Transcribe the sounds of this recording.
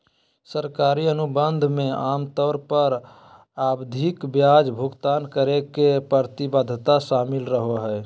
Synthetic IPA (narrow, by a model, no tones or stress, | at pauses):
səɾkaːɾiənubənd̪ʱmẽaːmt̪ɔːɾpəɾ | abd̪ʱikbjad͡ʒbʱʊɡt̪aːnkəɾekepəɾt̪ibəd̪ʱt̪aʃaːmɪlɾəɦoɦɛ